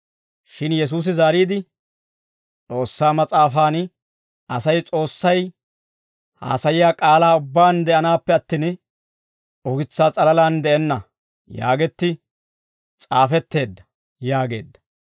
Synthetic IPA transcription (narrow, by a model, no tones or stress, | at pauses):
ʃɪnjɛs̬uːs̬ɪzaːɾiːd̪ɪ | t͡sʼo̞ːsːaːmɐt͡sʼaːfaːn | ɐsɐjt͡sʼo̞ːsːɐj | ha̰ːsɐjɪjaːkʼaːlaːʊbːaːnd̪ɛʔɐnaːpːɛɐt̪ːin | ɔɡɪt͡sːaːt͡sʼɐlɐlaːnd̪ɛʔɛnːɐ | ja̰ːɡɛt̪ːɪ | t͡sʼaːfɛt̪ːe̞ːd̪ːɐ̥ | jaːɡe̞̰ːd̪ːɐ̥